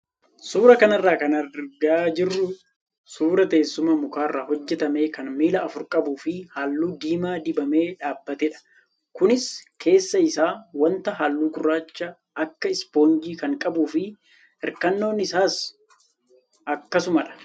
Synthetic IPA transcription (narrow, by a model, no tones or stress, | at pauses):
suːɾɐkɐnɐrːaːkɐnɐɾɡad͡ʒɪrːʊ | suːɾɐt̪e̞ːsːʊmɐmʊkaːrːaːɦɔd͡ʒːɛt̪ɐme̞ːkɐnmiːlɐːfʊɾkʼɐbuːfɪhaːlːuːd̪iːmaːd̪ɪbɐme̞ːᶑaːbːɐt̪ɛᶑɐ̥ | kʊnɪskʰe̞ːsːɐɪsaːwɐnt̪ɐɦaːlːuːɡʊrːaːt͡ʃːɐ | ɐkːɐɪspo̞ːnd͡ʒiːkɐŋkʼɐbuːfɪ | ɛɾkɐnːo̞ːnɪsaːs | ɐkːɐsʊmɐᶑɐ̥